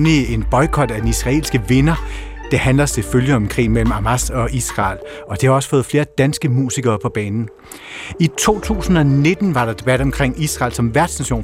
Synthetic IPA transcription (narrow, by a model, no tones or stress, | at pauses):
nie̝nb̥ɒ̽ɪkʰɒ̽d̥æd̥enisʁɑ̈e̝̰ːlsɡ̥əʋe̝nɐ | d̥ehænlɐst͡sʰe̝føljəɒ̽mkʰʁḭːmel̰m̩ɑmæsɒ̽ʔisʁɑ̰̈ːlɒ̽d̥ihɑ̈ɒ̽sə̥fɔ̽ːð̩ˠfle̝ːɐd̥ænsɡ̥əmṵːsiɡ̥ɐːpʰɒ̽b̥ɛːnn̩ | it͡sʰo̝̰ːt͡sʰṵːsn̩ɒ̽ne̝d̥n̩ʋɑ̈ɾɑ̈d̥e̝b̥æd̥ɒ̽mkʰʁeŋ̰isʁɑ̈ːlsɒ̽mʋæɐd̥snæɕo̝̰ːn